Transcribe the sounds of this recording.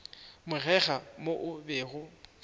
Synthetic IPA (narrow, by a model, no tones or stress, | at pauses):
mʊɣɛɣamoʔʊbeːɣʊ